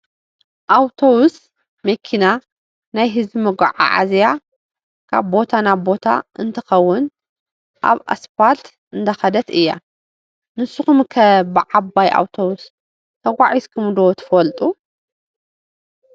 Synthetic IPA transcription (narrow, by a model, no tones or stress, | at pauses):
ʔawt̪ʰowʊs | mɐkʰina | najɦɨzbimɐɡʷaʕa̰ʕa̰zja | kʰa̰βbo̞t̪ʰanaβbo̞t̪ʰa̰ʔɨnt̪ʰɐxɐwːʊn | ʔa̰βa̰sfalt̪ | ɨnd̪ʰɐxɐd̪ɐt̪ɨjːa̰ | nɨsːuxumkʰɐbɨʕabaja̰wt̪ʰowʊs | t̪ʰɐɡʷaʕiskʰɨmd̪owt̪ʰɨ̥fɐlt̪ʼu